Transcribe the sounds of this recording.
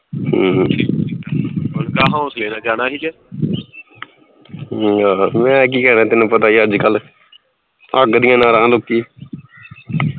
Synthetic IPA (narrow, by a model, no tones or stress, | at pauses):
ɦːʰiː | ənkaːɦãːʊsleːnaːd͡ʒaːnaːɦiːd͡ʒɛː | aːmɛ̃ːk̬iːkɛːnaːt̪ɪnũːpət̪aːiːəd͡ʒkəl | əɡd̪ɪjãːnãːɾãːlokːiː